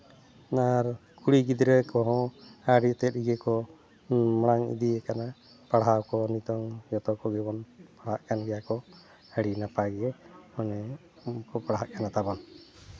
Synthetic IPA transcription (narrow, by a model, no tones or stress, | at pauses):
aɾkuɽiɡid̪ɾɛkɔɦɔ̃aɽit̪ɛt̪iɡɛkɔ | mɽ̃aŋḭd̪iekana | paɽɦawkɔnit̪ɔŋjɔt̪ɔkɔɡɛbɔnpaɽaʔkanɡɛjakɔ | aɽinapaɡɛɛmɔnɛ | kɔpaɽɦaʔkanat̪abɔn